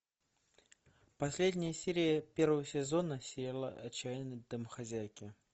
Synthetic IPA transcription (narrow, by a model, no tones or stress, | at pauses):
pasʲlʲed̪ʲnʲɪjəsʲeɾʲɪjəpʲeɾvəvəsʲɛzonəsʲejalˠə̰ʔɐt͡ɕːajnəd̪ɨmxazʲæjkʲɪ